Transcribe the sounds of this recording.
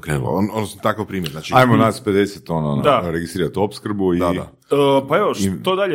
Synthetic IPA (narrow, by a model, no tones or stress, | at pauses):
okɾeːnṵlo̰onosnot̪akaʋpɾiːmʲjeɾnaːt͡ʃiajmonaspe̞d̪eset̪onaon̰d̪aɾeɡist̪ɾiːɾat̪opskɾ̩buia̰ | paeʋoit̪od̪aʎe